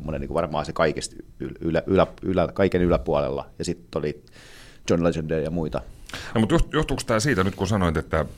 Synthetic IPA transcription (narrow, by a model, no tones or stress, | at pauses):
mːonḛniːkʋɑrmɑːsekɑikest̪y̰lylæʔylæpylækɑikenylæpuɑlḛlːɑ̰jɑsit̪ːolit̪ | t͡ʃonlet͡ʃendeːjɑmuit̪ɑ̰nomut̪juhtjuht̪ukst̪ɑːsiːt̪ænyt̪kusɑnoint̪et̪ːæ